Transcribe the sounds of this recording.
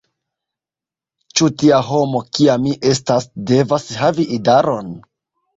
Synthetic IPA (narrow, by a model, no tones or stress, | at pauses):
t͡ʃutiaɦo̞mo̞kiamːiʔe̞stasde̞vasɦaviʔidaɾo̞n